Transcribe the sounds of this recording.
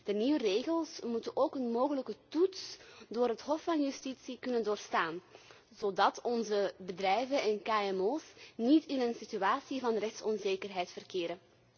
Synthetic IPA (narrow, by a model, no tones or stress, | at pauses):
d̥əniʋəreːɣəlˠsmutənʔoːkənmoːɣələkətutsdoːrɦətɦɔfɑnjystitsikɵnəndoːrstaːn | z̥oːdɑtɔnzəbədrɛjvənɛnkaːɛmoːsnitɪnənsityaːsivɑnrɛxtsɔnzeːkərɦɛjtfərkeːɾən